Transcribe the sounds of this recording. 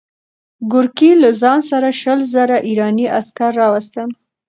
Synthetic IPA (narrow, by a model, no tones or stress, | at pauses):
ɡʊɾkilazɑnsaɾaʃəlzəɾaʔiɾɑniʔaskaɾːɑwast̪əm